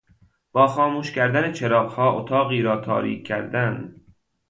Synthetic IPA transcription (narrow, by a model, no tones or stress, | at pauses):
b̥ɒːxɒːmuːʃcʲæɾd̪ænet͡ʃʰeɾɒːbhɒːʔot̪ʰɒːɣiːɾɒːt̪ʰɒ̰ːɾḭːkʰːæɾd̪ænd̪